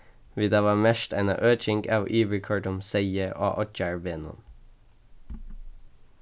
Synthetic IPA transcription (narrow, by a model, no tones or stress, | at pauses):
ʋid̪ɑːʋɑːmɛʃt̪æɪnɑ̰ʔøːt͡ʃɪŋɡɑ̰ːʋʔiːʋəkʰɑɖʊmseɪəʔo̰ːʔɔt͡ʃɑɹbeːnʊ̰n